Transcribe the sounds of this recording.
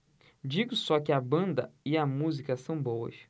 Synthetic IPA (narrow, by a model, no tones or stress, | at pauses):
d͡ʒiɡʊsɔkɪɐbɐ̃nd̪ɐɪɐmuzikɐsɐ̃w̃bowɐ̰s